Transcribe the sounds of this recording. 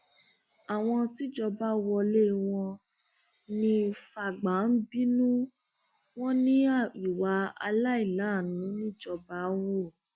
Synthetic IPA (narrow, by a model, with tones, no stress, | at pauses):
a˨w̃ɔ̃˧ti˦d͡ʒɔ˧ba˦wɔ˧le˦˨w̃ɔ̃˧ | nĩ˧fa˨ɡ͡ba˨˦n̩˦bi˦nũ˦ | w̃ɔ̃˦nĩ˦a˨i˨wa˨˦a˧la˦i˦˨la˨˦˨nũ˨˦nĩ˦d͡ʒɔ˧ba˧˦wo˦˨